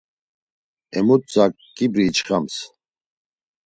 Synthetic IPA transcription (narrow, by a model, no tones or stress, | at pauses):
ɛmut̪̚t͡sʼak̚ | ɡ̥ibɾiːt͡ʃχams